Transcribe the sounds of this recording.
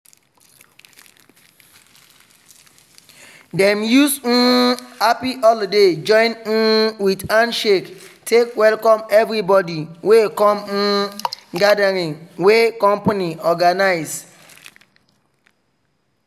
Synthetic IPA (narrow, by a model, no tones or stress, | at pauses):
dɛ̃mjus̩apiʔɔlded͡ʒɔ̃ɪ̃n̩widãnʃektʰekwɛlkɔ̃mɛvɾibɔdiwekɔ̃m̩ɡadaɾĩŋwekɔ̃mpaniɔɡanaɪs